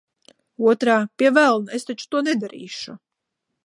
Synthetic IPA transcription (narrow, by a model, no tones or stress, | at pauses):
uɔt̪ɾaːpʲiɛvælˠnaest̪at͡ʃu̥t̪uɔnɛd̪aɾḭːʃu